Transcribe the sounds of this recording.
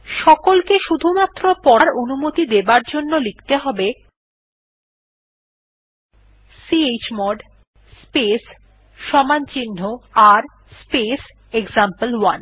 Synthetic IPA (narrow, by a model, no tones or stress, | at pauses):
ʃɔkolkeʃud̪ʱumat̪ːɾopɔaɾonumot̪id̪ebaɾd͡ʑonːolikt̪eɦɔbe | siet͡ɕmɔɖ | spes | ʃɔmant͡ɕinːoaɾ | spes | ekzampəlwan